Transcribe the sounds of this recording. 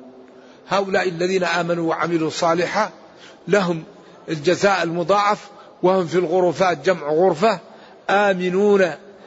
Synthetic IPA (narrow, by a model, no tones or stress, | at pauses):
haːʔʊlaːʔɪlːaðiːnaʔaːmanuwaʕa̰mɪlusˤɑːlɪħa | laɦʊm | ɪld͡ʒazaːʔɪlmʊd̪ˤɑːʕɑf | wɪhʊmfilɣʊɾˤuːfaːt̪̚d͡ʒamʕɣʊɾfa | ʔaːmɪnuːna